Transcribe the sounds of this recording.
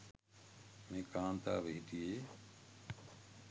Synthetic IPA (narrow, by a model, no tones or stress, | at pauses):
mẽːkaːnt̪aːʋeːʈiːeː